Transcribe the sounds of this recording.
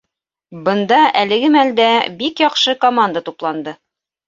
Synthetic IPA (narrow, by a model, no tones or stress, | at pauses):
bɤ̆nd̪ɑælɘ̆ɡɘmæld̪æbikjɒqʃɤkomand̪ət̪uplˠɑnd̪ɤ